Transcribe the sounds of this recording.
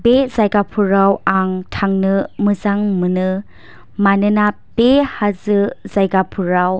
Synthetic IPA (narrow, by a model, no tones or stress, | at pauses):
bezajɡapʰuɾawaŋtʰaŋnɯmɯzaŋmɯnɯ | manɯnabehazɯzajɡapʰuɾaw